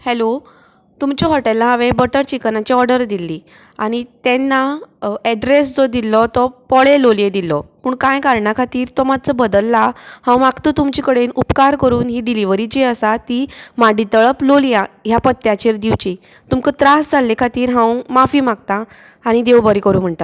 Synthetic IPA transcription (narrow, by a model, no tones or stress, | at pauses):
hɛlo | t̪umt͡ɕɔɦɔʈɛlːaɦãʋẽbəʈəɾt͡ɕikənat͡ɕiɔɾɖəɾd̪ilːi | aɽ̃it̪ɛ̃nːaɛɖɾesd͡zɔd̪ilɔt̪ɔpɔɭeloljed̪ilɔpuːɳkãjkaɾɳakʰat̪iːɾt̪ɔmat͡səbəd̪əlːahãwmaɡt̪ət̪umt͡ɕikəɽenupkaɾkəɾuːnɦiɖiliʋəɾid͡ʑiəsat̪imaɖit̪əɭəploljãɦjapət̪ːjat͡ɕeɾd̪iʋt͡ɕi | t̪umkət̪ɾasd͡zʱalːẽkʰat̪iːɾɦãwmafiːmaɡ̚t̪ã | aɽ̃id̪ewbəɾikəɾuːm̤əɳt̪at̪